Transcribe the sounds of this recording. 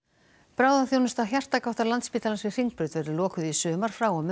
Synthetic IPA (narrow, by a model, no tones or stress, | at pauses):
pɾaːwðaθjownʏst̪aɦjar̥t̪akawht̪aɾlant̪spiːt̪alansvɪ̥r̥iŋk̚pɾʏɥt̪vɛɾʏɾlɔːkʏðisʏːmaɾ̥fɾaːwɔm